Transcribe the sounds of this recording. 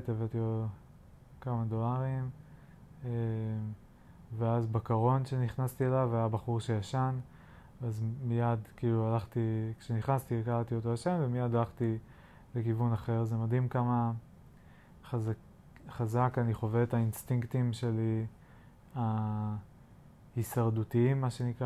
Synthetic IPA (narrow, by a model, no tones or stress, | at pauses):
t̪evet̪io | kamad̪o̞laʁim | e | veazbakaʁo̞nʃe̞niχnast̪ielavajabaχuʁʃe̞jaʃan | azmijad̪kiːlualaχt̪ikʃeniχnast̪ikalt̪iot̪̬oaʃe̞mvemijad̪alaχt̪i | lekivunaχe̞ʁzemad̪imkama | az | χazakaniχo̞vet̪ainst̪iŋkt̪imʃe̞li | a | hisaʁdut̪iimːaʃenikʁa